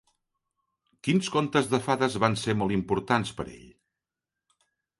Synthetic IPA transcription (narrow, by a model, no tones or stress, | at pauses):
kinskont̪əzðəfaðəzβansemolˠimpuɾt̪anspə̰ɾḛʎ